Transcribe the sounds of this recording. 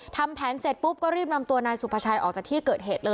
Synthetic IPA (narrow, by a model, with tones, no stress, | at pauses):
t̪ʰa˧mpʰɛː˩˦nse˨˩t̪̚pu˦˥p̚kɔː˥˩ɾiː˥˩p̚na˧mt̪u˧ɐnaː˧jsu˨˩pʰa˧t͡ɕʰaː˧jʔɔː˨˩k̚t͡ɕaː˨˩t̪ʰiː˥˩kɤː˨˩t̪̚ɦeː˨˩t̪̚lɤː˧